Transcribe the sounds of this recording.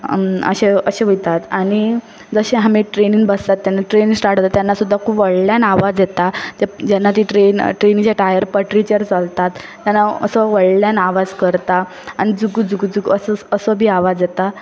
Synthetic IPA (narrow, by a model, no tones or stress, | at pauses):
ə̰ɕeəɕẽɦojt̪at̪aɽ̃i | d͡zəɕeɦamiʈɾeninbəst̪at̪ːjanːaʈɾeniŋsʈaʈt̪at̪janːasud̪ʱːakʰuːbʋəɽljanaʋad͡zjet̪aad͡ʑanːat̪iʈɾenʈɾenid͡ʑaʈajəɾpəʈɾit͡ɕəɾt͡salt̪at̪ːjanːaə̰sɔʋəɽljanaʋad͡zkəɾt̪a | añid͡zuɡd͡zuɡud͡zuɡəsəəsɔbʱiːaʋad͡zjet̪a